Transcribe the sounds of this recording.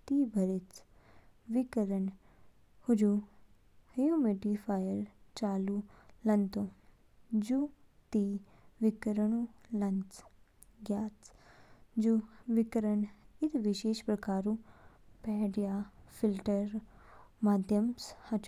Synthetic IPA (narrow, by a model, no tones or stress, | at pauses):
t̪iːbʱəɾɪt͡s | ʋɪkəɾəɳ | hʊd͡ʒu | hɐjũmeʈifʰaːjəɾt͡ʃaːlulɐnt̪õ | d͡ʒut̪iː | ʋɪkəɾəɳũlɐnt͡s | ɡjaːt͡s | d͡ʒuʋɪkəɾəɳɪt̪ʋɪʃeːʃpɾəkaːɾũ | pɛːɖjaːfʰɪlʈəɾmaːd̪ʱjəmshɐt͡ʃ